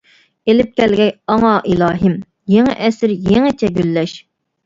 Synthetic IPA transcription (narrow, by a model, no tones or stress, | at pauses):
elɪp̚kʲʰɛlɡʲɛjɑŋɑʔilˠɑːɦɪm | jeŋɪ̰ʔɛsɪɾjeŋɪt͡ʃʰɛɡʲylːɛʃ